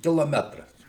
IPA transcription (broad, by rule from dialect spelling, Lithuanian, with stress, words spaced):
kʲɪlˠoːˈmʲæːtrɐs